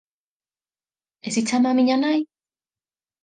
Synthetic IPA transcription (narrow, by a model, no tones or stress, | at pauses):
esit͡samamiɲanaj